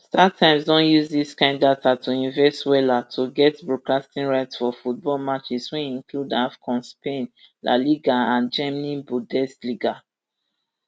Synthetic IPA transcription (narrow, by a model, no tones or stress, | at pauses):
statʰãɪ̃msdɔ̃njuzðiskãɪ̃ndatatʰuĩnvɛswɛlatʰuɡɛtbɹokastĩnɹaɪtsfɔfut̚bɔlmat͡ʃiswiĩŋkludafkʰɔ̃nspẽn | lʔa̰liɡaãnd͡ʒɛmnĩbudɛstliɡa